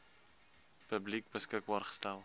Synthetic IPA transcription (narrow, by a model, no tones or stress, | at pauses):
pəblik̚bəskək̚bɑːrχə̥stælˠ